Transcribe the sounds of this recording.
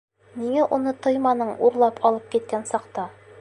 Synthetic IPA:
miŋæʔunɤt̪ɤjmɑnɤɴuɾlˠɑpʰɒlˠɤp̚kit̪̚kænsɑqt̪ɑ

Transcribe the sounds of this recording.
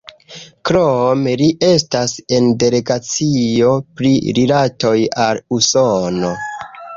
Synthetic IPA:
kɾomeliʔe̞stase̞nde̞le̞ɡat͡sio̞pɾḭɾilato̞jalusono̞

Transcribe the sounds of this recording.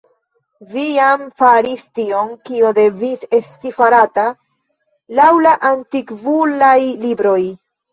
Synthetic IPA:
vijamfaɾistio̞nkiode̞vise̞stifaɾata | lawlaʔantikvulajlibɾo̞j

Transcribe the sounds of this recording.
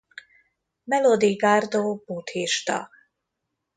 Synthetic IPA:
mɛlod̪iɡaːrd̪oːbuːt̪hiʃt̪ɒ̰

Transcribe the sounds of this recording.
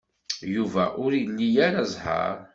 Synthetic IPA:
juvæʔʊɾijlːijaɾazˤhɑ̰ɾ

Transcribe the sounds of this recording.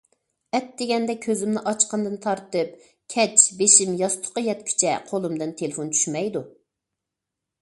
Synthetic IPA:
ɛt̪̚d̪eɡʲɛnd̪ɛkʲʰøzɪmnɪʔɑt͡ʃqənd̪ɨnt̪ʰɑɾt̪ɨp̚ | kʲʰɛt͡ʃbeʃimjɑst̪ʰʊ̥qəjɛt̪kʲʰy̥t͡ʃʰɛ̰qʰolˠɨmd̪ɨnt̪ʰelɪfont͡ʃʰy̥ʃmɛjd̪u

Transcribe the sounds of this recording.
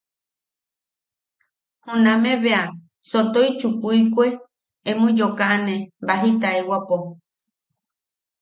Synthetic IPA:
hũnãmẽβea | sot̪oit͡ʃukuikʷe | emũd͡ʒokaʔanẽbaɦit̪aewapo

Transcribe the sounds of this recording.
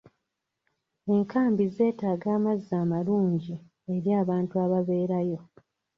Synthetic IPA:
e̞ŋkaːmbize̞ːtaːɡaːmazːaːmaluːɲɟi | e̞ɾjaːβaːntuaβaβe̞ːɾajo̞

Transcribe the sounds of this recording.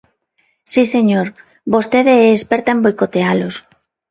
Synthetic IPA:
siseɲoɾ | bost̪eðeɛːspeɾt̪aẽmbojkot̪ealos

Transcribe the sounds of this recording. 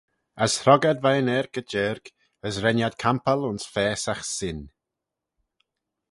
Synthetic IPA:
əshɾɔɡad̪vajənɛɾkəd͡ʒɛɾk | əsɾɛnjad̪̚kʰampəlʊnsfɛːsaxsɪn

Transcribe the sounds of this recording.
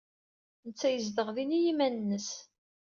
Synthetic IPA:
nət͡sːæjəzd̪əʁðinijimænənːəs

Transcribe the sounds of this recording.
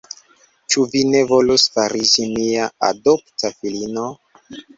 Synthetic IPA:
t͡ʃuvine̞vo̞lusfaɾid͡ʒimiaa̰doptafilino

